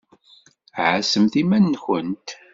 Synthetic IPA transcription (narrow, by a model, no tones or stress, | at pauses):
ʕəsəmθimænːçənt̪